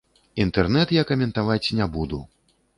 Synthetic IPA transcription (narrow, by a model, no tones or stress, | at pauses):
int̪ɛrnɛt̪jakɐmʲɛnt̪avat͡sʲnʲɛbud̪u